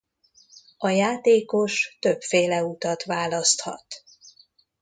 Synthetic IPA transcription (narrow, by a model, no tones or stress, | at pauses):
ɒjaːt̪eːko̞ʃt̪ø̞pfeːlɛut̪ɒt̪vaːlɒst̪hɒ̰t̪